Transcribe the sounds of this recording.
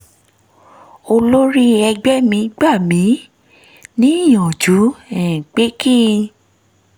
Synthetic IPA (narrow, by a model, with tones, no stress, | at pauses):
o˧lo˦ɾi˦ɛ˧ɡ͡bɛ˦mĩ˨˧˦ɡ͡ba˦˨mĩ˨˦ | nĩ˦i˦˨j̃ɔ̃˨d͡ʒu˨˦ɛ̃˨k͡pe˦kĩ˦˧